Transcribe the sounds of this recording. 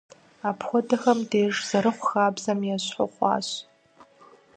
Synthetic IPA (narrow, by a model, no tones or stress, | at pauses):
apʰxʷɔdaxɐmdeːʐz̥aɾɨχʷxaːbzamjaɕħʷʊ̰qʷʼa̰ɕ